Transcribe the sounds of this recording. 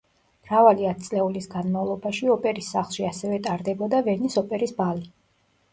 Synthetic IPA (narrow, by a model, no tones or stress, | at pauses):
mɾavaliat̪̚t̪sʼlɛulisɡanmavlˠɔbaʃiɔpʼɛɾisːaχlˠʃiasɛvɛt̪ʼaɾd̪ɛbɔd̪avɛnisɔpʼɛɾisbali